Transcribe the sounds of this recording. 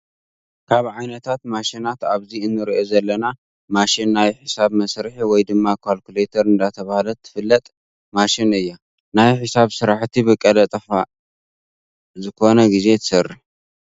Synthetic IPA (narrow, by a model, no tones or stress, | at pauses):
kʰaβʕajnɐt̪ʰat̪maʃinat̪aβziɨnːɨɾiʔozɐlːɐna | maʃinːajħɨsaβmɐsɾɨħiwɔjd̪ɨmːakʰalkulet̪ʰɐɾɨnd̪at̪ʰɐβahlɐt̪ʰːɨ̥fɨlːɐt̪ʼ | maʃinɨjːa | najħɨsaβsɨɾaħt̪ʰibɨkʼːɐlɐt̪ʼɐfa | zɨkʰo̞nɐɡize̞t̪ʰɨ̥sɐrːɨħ